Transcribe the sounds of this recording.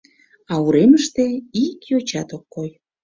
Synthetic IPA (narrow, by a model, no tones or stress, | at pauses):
ɑuɾeməʃt̪eikjot͡ɕɑt̪okːoj